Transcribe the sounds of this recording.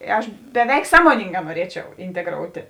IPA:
ˈɐʃ bʲɛˈʋʲɛɪk ˈsɑːmoːnʲɪŋɡɑː nuɔˈrʲiɛt͡ʃʲɛʊ ɪnʲtʲɛˈɡroːʊtʲeː

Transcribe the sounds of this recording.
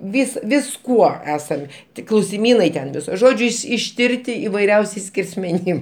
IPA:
ˈʋʲɪs ʋʲɪsˈkuɔ ˈæːsɐm ˈtʲɪk klˠɐʊsʲɪˈmʲiːnɐɪ tʲɛn ʋʲɪˈsoː ˈʒoːd͡ʒʲʊ ɪʃ ɪʃʲˈtʲɪrʲtʲɪ ɪʋɐɪˈrʲɛʊsʲɛɪs sʲkʲɛrʲsʲmʲɛˈnʲɪm

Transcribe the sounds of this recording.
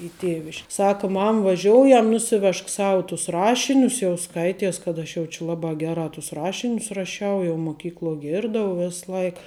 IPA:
ɪ ˈtʲeːʋʲɪʃʲk ˈsɑːkɐ ˈmɐm ʋɐˈʒʲoːʊjɛm ˈnʊsʲɪˌʋʲɛʃk ˈsɐʊ tʊs ˈrɑːʃʲɪnʲʊs jɛʊ ˈskɐɪtʲiɛs kɐt ˈɐʃ jɛʊ t͡ʃʲɪ ˈlˠɑːbɑː ˈɡʲæːrɑː tʊs ˈrɑːʃʲɪnʲʊs rɐˈʃʲɛʊ jɛʊ mʊˈkʲiːklˠuɔ ˈɡʲɪrdɐʊ ˈʋʲɪs ˈlˠɐɪk

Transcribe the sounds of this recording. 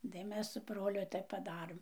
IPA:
tɐɪ ˈmʲɛs sʊ ˈbroːlʲʊ ˈtɐɪp pɐˈdɑːrɘm

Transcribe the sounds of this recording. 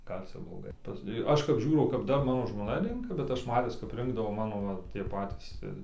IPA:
ˈɡɐlʲ ˈt͡sʲɛ blˠoːˈɡɐɪ pɐs ɪ ˈɐʃ kɐp ˈʒʲuːrɐʊ kɐp ˈdɐr ˈmɑːnoː ʒmoːˈnɐ ˈrʲɛŋkɐ bʲɛt ˈɐʃ ˈmɑːtʲɪs kɐp ˈrʲɪŋɡdɐʋoː ˈmɑːnoː ʋɐ ˈtʲiɛ ˈpɑːtʲiːs ɪr

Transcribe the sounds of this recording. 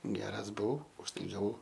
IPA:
ˈɡʲæːrɐs bʊˈʋɐʊ ʊʃ ˈtɐɪ ɡɐˈʋɐʊ

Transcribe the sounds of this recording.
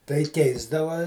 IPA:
tɐɪ ˈkʲɛɪzdɐʋɐ

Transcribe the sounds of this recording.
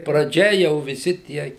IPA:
prɐˈd͡ʒʲɛ jɛʊ ʋʲɪˈsʲɪ ˈtʲiɛ

